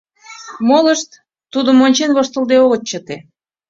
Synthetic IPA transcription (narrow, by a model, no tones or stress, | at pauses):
moləʃt̪ː | ud̪ə̆monʲt͡ɕenβost̪əlˠd̪eoɣə̆t̪̚t͡ɕət̪e